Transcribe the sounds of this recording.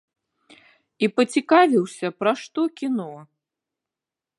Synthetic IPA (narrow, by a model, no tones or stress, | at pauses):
ipɐt͡sʲikavʲiwsʲɐpɾaʂt̪ɔkʲinɔ